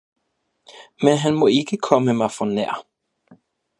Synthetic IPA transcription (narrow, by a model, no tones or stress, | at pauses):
mɛnɦɛnmoːɪkəkʰɔməmɛɐfɔnɛ̰ːɐ̰